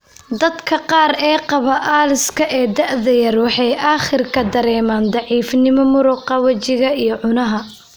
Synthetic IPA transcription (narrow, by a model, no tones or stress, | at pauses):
d̪ɐd̪kʰɐqɑːɾɛːqɑβɐʔaːlɪskʰɐʔɛːd̪ɐʔðɐjɐrwɑħɑjʔaːχɪrkʰɐd̪ɐɾɛːmaːnd̪ɑʕiːfnɪmɔmʊɾʊːqɑwɐt͡ʃɪɣɐijɞʕʊnɐɦɐ